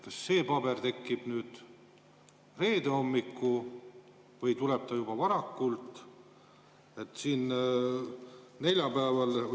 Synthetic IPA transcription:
kɑsːe̞ːpɑbe̞rt̪e̞kːib̥nyːd̪̥ | re̞ːd̪e̞o̞mːikːu | vɤjt̪ule̞b̥̚t̪ɑjub̥ɑvɑɾɑkːult̪ | e̞t̪ːˑsiːn | ne̞lʲjɑpæːvɑl

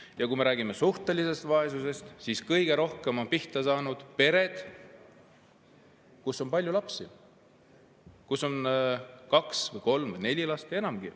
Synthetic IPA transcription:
jɑkume̞ɾæːɡ̥ime̞suht̪e̞lise̞st̪vɑe̞s̬use̞st̪siːskɤjɡ̥e̞ɾo̞hkemo̞npiht̪ɑsɑːnud̪̥pe̞ɾe̞d̪̥ | kusːo̞mpɑlʲjulɑpsi | kuso̞nkɑksvɤjko̞lmvɤjne̞lʲilɑst̪e̞nɑmɡ̥i

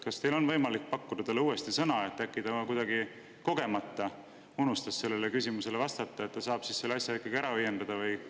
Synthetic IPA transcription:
kɑst̪e̞jlo̞nvɤjmɑlik̚ːpɑkːud̪ɑt̪ɑlːeuːe̞st̪isɤnɑe̞t̪ːækːid̪ɑkujd̪ɑɡi | ko̞ɡ̥e̞mɑt̪ːˑɑ | unust̪ɑsːe̞lːe̞le̞kys̬ʲimuse̞le̞vɑst̪ɑt̪ˑːɑet̪t̪ːɑsɑːb̥sisselːeɑsʲjɑikːˑɑɡ̥ieɾɑøjːe̞nd̪ɑd̪̥ɑvɯj

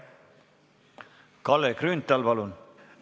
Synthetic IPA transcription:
kɑlːekrynt̪ːˑɑlpɑlun

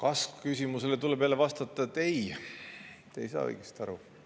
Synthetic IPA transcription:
kɑskkysʲimuselet̪ulːepæːlevɑst̪ɑt̪ˑːɑet̪ːej | t̪ejsɑ̰ːɤ̰jɡ̥est̪iɑɾu

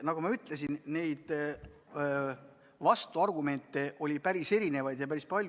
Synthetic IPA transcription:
nɑɡumɑyt̪ːˑle̞sinne̞jd̪̥ | vɑst̪uɑrɡume̞nt̪ːˑe̞ʔo̞lʲipæɾise̞ɾine̞vɑjd̪̥jɑpæɾispɑlʲ

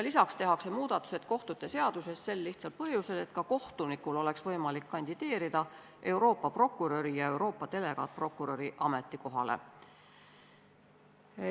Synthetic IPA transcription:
jɑlisɑkst̪e̞ɦɑkse̞muːd̪ɑt̪ːˑu̥se̞t̪ko̞ht̪ut̪ːˑe̞se̞ɑd̪̥use̞sse̞lːiht̪sɑlt̪̚pɤhjuse̞d̪e̞t̪̚kɑko̞ht̪unikːˑulo̞le̞ksvɤ̞jmɑlikːɑnʲd̪̥id̪̥e̞ːɾid̪̥ɑ | ʔe̞wɾo̞ːpːˑɑpro̞kːˑuɾø̞ɾijɑe̞wɾo̞ːpːˑɑt̪e̞le̞ɡ̥ɑ̰t̪̚pro̞kːˑuɾøɾiʔɑme̞t̪ːˑiko̞ɦɑ̰lḛ

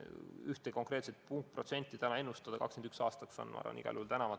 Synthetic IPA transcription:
yht̪eko̞ŋkɾe̞ːt̪se̞t̪̚puŋk̚t̪̚pro̞t̪se̞nʲt̪ːˑit̪ænɑe̞nːust̪ɑd̪ɑkɑ̰kskend̪yksɑːst̪ɑkso̰nʋɑ̰ɾɑ̰nḭɡ̥ɑ̰luhult̪ænɑvɑt̪

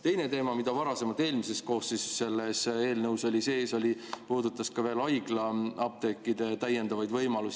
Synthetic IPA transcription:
t̪e̞jne̞t̪e̞ːmɑmid̪ɑvɑɾɑse̞mɑlt̪ːˑe̞ːlmise̞st̪̚ko̞ːssisːe̞lːese̞ːlnɤwso̞lʲiseːso̞lʲipuːd̪ut̪ːˑɑskɑve̞ːlɑjɡ̥lɑɑb̚t̪e̞kːˑid̪e̞t̪æjːe̞nd̪̥ɑvɑjd̪vɤjmɑlusi

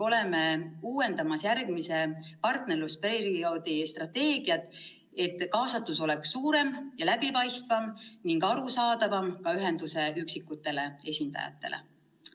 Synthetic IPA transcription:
o̞le̞meuːwe̞nd̪̥ɑmɑsjærɡ̥mise̞pɑrt̪ne̞rluspeɾriio̞ːd̪ist̪rɑt̪ːe̞ːɡ̥iɑt̪ːˑ | e̞t̪ːˑkɑːsɑt̪ːˑuso̞le̞ksːuːɾe̞mjɑlæb̥ipɑjst̪vɑmniŋɡɑɾusɑːd̪̥ɑvɑmkɑyɦe̞nd̪̥use̞yksikːut̪ːe̞le̞e̞sʲind̪̥ɑ̰jɑ̰t̪ːˑe̞̰lḛ

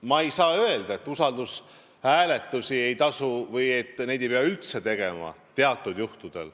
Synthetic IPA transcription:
mɑejsɑːø̞e̞ld̪̥ɑe̞t̪ːˑusɑld̪̥us | hæːle̞t̪ːˑusʲie̞jt̪ɑsuvɯje̞t̪ːne̞jd̪ejpeɑylt̪se̞t̪e̞ɡ̥e̞mɑ̰t̪e̞ɑt̪ːˑud̪̥juht̪ud̪̥e̞̰l

